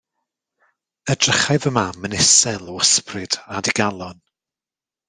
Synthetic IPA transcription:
ədrəχajðəmamənɪsɛlˠəəsprɨd̥adiɡalˠɔn

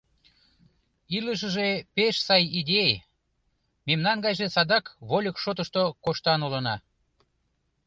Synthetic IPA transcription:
iləʃ̬əʒepeʃsɑjid̪ʲej | memnɑnɡɑjʒesɑd̪ɑkβolʲəkʃot̪əʃt̪okoʃt̪ɑnulənɑ

